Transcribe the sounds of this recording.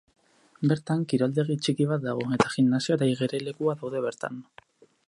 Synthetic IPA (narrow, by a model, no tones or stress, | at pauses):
be̞ɾt̪aŋkiɾald̪e̞ɣit͡ʃikiβ̞at̪̚d̪aɣ̞o̞e̞t̪aɣinnːasioɾajɣeɾe̞le̞kuaðawðe̞βe̞ɾt̪a̰n